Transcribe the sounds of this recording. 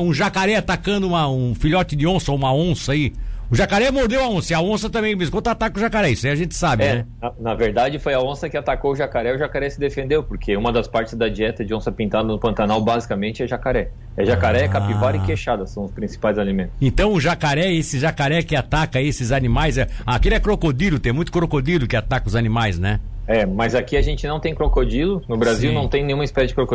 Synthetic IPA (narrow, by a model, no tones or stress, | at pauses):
ũʒakaɾɛat̪akɐ̃nd̪ʊũmɐũfiʎɔt͡ʃɪd̪ɪõsɐũmɐõsɐiʊʒakaɾɛmoɾd̪ewɐõsɐiɐõsɐt̪ɐ̃mbẽj̃meskõt̪at̪akʊʒakaɾɛisiɐʒẽnt͡ʃ̪ɪ̥sabɪɛnɛɐnɐveɾd̪ad͡ʒɪfojɐõsɐkɪat̪akowʊʒakaɾɛʊʒakaɾɛsɪd̪efẽnd̪ewpoɾkʰeũmɐd̪ɐspaɾt͡ʃɪzd̪ɐd͡ʒiɛt̪ɐd͡ʒɪõsɐpĩnt̪ad̪ɐnʊpɐ̃nt̪anawbazikamẽnt͡ʃɪɛʒakaɾɛ | ɛʒakaɾɛɛkapivaɾɪkeʃad̪ɐsɐ̃w̃ʊspɾĩsi̥pajzalimẽnt̪ʊ̥sẽnt̪ɐ̃w̃ʊʒakaɾɛesɪʒakaɾɛkɪat̪akɐesɪzanimajzɛakelʊɛkɾokod̪ilʊt̪ẽj̃mũj̃t̪ʊ̥kɾokod̪ilʊkɪat̪akɐʊzanimajznɛɛmɐzakiaʒẽnt͡ʃɪnɐ̃w̃t̪ẽj̃kɾokod͡ʒilʊnʊbɾaziwnɐ̃w̃t̪ẽj̃nẽj̃ũɐispɛsɐd͡ʒɪkɾoko